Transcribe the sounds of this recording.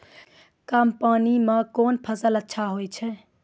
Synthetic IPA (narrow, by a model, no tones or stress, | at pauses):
kaːmpaːnimekoːnpʰəsələtːʃʰaɦojt͡ʃʰɛ